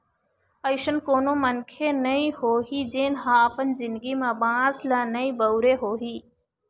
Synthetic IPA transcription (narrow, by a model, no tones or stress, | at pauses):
əjʃənkoːnoːmənkʰenɐĩhoːɦiːd͡ʒeːnɦãːɐpənzɪ̃nd̪ɡimãbãːzlaːnəĩːbəwɾeːɦoːɦiː